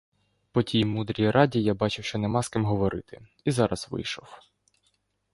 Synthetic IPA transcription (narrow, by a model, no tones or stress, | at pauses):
pɔtʲijmud̪ɾʲijɾʔɑdʲijabɑt͡ʃɪwʃt͡ʃɔnɛmɑskɪmɦɔʋɔɾɪ̰t̪ɪ | izɑɾɐsʋɪ̰jʃɔw